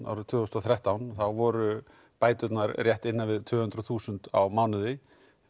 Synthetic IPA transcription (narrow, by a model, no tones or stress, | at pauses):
a̰wɾt̪ʰvʏːʏst̪ɔθɾɛht̪awnθawvɔɾʏ | paːjt̪ʏt̪naɾrjɛht̪ɪnːavɪðt̪ʰvʏːhʏnt̪ɾʏθuːsʏnt̪awmawnʏðɪ